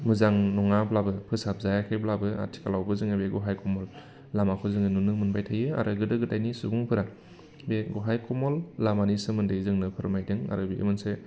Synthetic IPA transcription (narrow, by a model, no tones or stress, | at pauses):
mɯzaŋnɔŋablabɯpʰɯsap̚zajakʰeblabɯa̰tʰi̥kalawbɯzɯŋɯbeɡɔɦajkɔmɔlː | amakʰɯzɯŋɯnunɯmɯnbajtʰajɯa̰ɾʔɯɡɯdɯɡɯtajnisuɡuŋpʰɯɾa | beɡɔɦajkɔmɔlːamanisɯmɯndɯzɯŋnɯpʰɯɾmajdɯŋa̰ɾɯbiʔḛmɯnse